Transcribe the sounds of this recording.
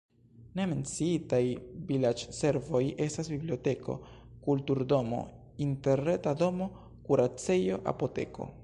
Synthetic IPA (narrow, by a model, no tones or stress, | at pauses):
ne̞me̞nt͡siitajvilat͡ʃse̞ɾvo̞je̞stasbiblio̞te̞kʰo̞̰ | kultuɾdo̞mo̞̰ | inte̞ɾetado̞mo̞ | kuɾat͡se̞jo̞ʔa̰po̞te̞̰ko̞̰